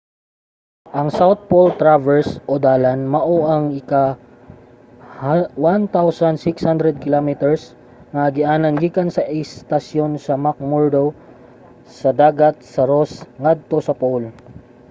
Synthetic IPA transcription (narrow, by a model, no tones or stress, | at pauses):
ʔɐŋsawt̪̚polt̪ɾavɛɹsʔod̪aːlanmɐʔoʔɐŋɪka | hwant̪awsɐnsɪkshand̪ɾɛd̪̚kɪlomit̪ɛɹs | ŋɐɡɪʔaːnɐŋɡiːkɐnsɐʔɛst̪ɐsjo̞nsɐmak̚moɹd̪ow | sɐd̪aːɡɐt̪̚sɐɾosŋad̪̚t̪o̞sɐpol